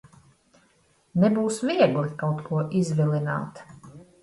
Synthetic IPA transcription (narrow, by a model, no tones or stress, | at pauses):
nɛbuːsviɛɡlˠikawt̪kʰuɔʔizvilina̰ːt̪